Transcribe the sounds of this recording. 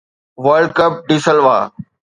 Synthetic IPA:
ʋəɾlɖ̚kəp̚ɖiːsəlʋa̰ː

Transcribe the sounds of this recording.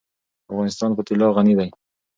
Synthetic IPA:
afɣɑnɪst̪ɑnpət̪ɪlɑɣanid̪aj

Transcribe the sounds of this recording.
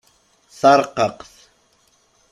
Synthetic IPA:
sɑɾqɑqs

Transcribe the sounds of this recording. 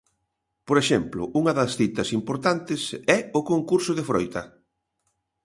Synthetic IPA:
poɾeʃɛmplʊʔuŋɐðɐsθit̪ɐsimpoɾt̪ant̪ɪsɛʊkoŋkuɾsʊðefɾojt̪ɐ

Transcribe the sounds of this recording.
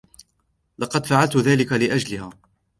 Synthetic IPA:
lɑqɑd̪faʕalt̪ʊðaːlɪkalɪʔad͡ʒlɪhaː

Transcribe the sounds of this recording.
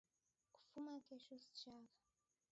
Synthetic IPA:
ku̥fumakɛʃɔsi̥t͡ʃaka

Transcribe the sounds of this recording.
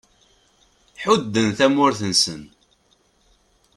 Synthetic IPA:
ħʊd̪ːənθæmʊɾθənsən

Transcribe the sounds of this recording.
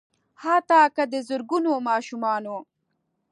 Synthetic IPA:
haːt̪ɑːkad̪əzʊɾɡunomɑːʃumɑːno

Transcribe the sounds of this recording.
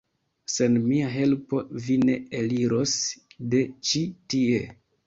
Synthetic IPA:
se̞nmiaɦe̞lpo̞vine̞eliɾo̞sde̞t͡ʃitie

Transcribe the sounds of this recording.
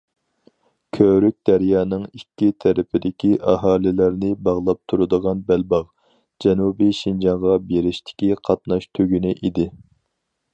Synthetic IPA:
kʲʰøɾyk̚ʲd̪̥ɛɾjɑːnɨŋikʲːit̪ʰɛɾɪpʰɪd̪ɪkʲiʔɑɦɑːlɪlæɾnɪbɑʁlˠɑp̚t̪ʰuɾɨd̪əʁɑnbælbɑʁ | d͡ʒɛnubiʃind͡ʒɑŋʁɑbeɾɪʃt̪ʰɪ̥kʲiqʰɑt̪̚nɑʃt̪ʰøɡʲynɪʔid̪ɪ

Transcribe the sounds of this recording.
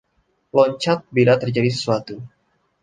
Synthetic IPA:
lɔɲt͡ʃat̪̚bilat̪ərd͡ʒadis̬ə̥suat̪u

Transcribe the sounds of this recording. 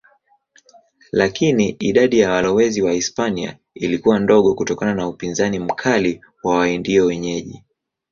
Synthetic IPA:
lakiniʔiɗaɗijawalɔwɛziwaispania̰ | ilikuwandɔɠɔkutɔkananaupinzanim̩kʰali | wawaindiɔwɛɲɛʄi

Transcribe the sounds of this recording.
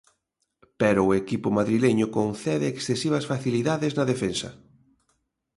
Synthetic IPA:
pɛɾʊːekipʊmaðɾileɲʊkonθɛðɪːksθesiβ̞ɐsfaθiliðaðɪznɐðefensɐ̰

